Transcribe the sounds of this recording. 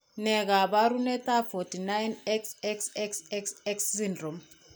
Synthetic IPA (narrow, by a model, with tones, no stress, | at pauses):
nɛ˨k̬a˨ɓa˦ɾu˦nɛ˦t̪ʼa˦fo˨ti˨na˦jnɛ˦ksɛksɛ˦ksɛ˦ksɛ˦ksːindrɔ˨m